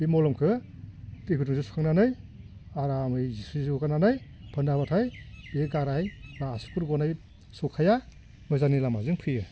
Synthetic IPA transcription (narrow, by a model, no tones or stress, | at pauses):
bimɔlɔmkʰɯ | tikʰɯtuŋzɯsu̥kʰaŋnanɯj | aɾamɯjzisizikukʰananɯj | pʰɯndabatʰajeɡaɾajbaːsu̥kuɾɡɔnaj | sɔkʰaja | mɯjzanilamazɯŋpʰɯjɯ